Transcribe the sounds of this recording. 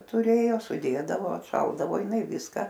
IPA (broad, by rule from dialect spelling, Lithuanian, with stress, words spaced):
tʊˈrʲeːjoː sʊˈdʲeːdɐʋoː ɐtˈʃɐlˠdɐʋoː jɪˈnɐɪ ˈʋʲɪskɐ